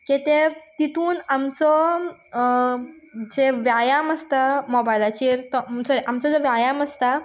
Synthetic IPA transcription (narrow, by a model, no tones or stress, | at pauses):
ket̪et̪it̪ʰuːnamt͡sɔ | d͡zeʋjajaməst̪amɔbajlat͡ɕiːɾt̪ɔsɔɾiʔamt͡sɔd͡zeʋjajaməst̪a